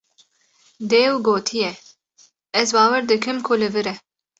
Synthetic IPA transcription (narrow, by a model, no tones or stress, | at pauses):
d̪eːwɡoːt̪ʰijɛ | ɛzbɑːwɛɾd̪ɨkɨmkʰʊlɨvɨɾɛ